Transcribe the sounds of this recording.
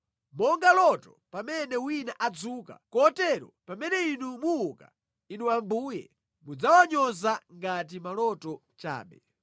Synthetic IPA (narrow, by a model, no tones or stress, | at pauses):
mɔŋɡalɔtɔ | pamɛnɛwinaʔad͡zuːka̰kɔtɛɾɔ̰pamɛnɛinumuuka̰ | inuambuːjɛ̰ | mud͡zawaɲɔzaŋɡat̬imalɔtɔ | t͡ʃa̰ːɓɛ̰